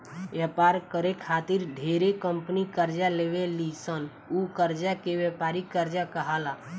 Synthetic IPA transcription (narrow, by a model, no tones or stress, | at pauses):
ʋjəpaːɾkəɾekʰaːt̪ɪɾɖʱeːɾekə̃mpənikəɾd͡ʒaleːʋelisən | ukəɾd͡ʒakeʋjəpaːɾikəɾd͡ʒakəɦala